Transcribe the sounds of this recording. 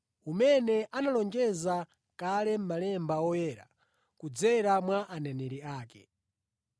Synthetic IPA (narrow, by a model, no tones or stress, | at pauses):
umɛnɛʔanalɔnd͡ʒɛza | kalɛm̩malɛmbawɔjɛːɾa̰ | kud͡zɛɾamwaʔanɛnɛɾiaːkɛ̰